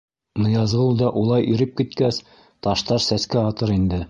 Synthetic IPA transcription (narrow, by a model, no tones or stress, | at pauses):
nɤ̆jɑzʁɤlˠd̪ɑʔulˠɑjʔiɾɘp̚kit̪kæs | t̪ɑʃt̪ɑɾsæskæɑt̪ɤɾind̪ɘ